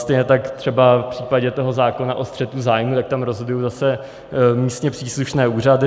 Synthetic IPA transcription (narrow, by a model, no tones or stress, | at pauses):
st̪ɛjɲɛt̪akt̪r̝̥ɛbafpr̝̥iːpaɟɛt̪o̞ɦo̞zaːko̞naʔost̪r̥ɛt̪uzaːjmut̪ak̚t̪amɾozɦodujowzasɛ | miːst̪ɲɛpr̥iːsluʃnɛːuːradɪ